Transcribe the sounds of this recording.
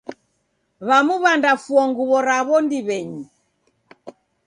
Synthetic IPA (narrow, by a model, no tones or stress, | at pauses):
βamuβandafuɔŋɡuβɔɾaβɔndiβɛɲi